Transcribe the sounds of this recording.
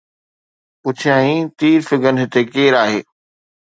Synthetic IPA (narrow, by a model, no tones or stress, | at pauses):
pʊt͡ɕʰijãːɦĩt̪iːɾfɪɡənɦɪt̪ekeːɾaːɦeː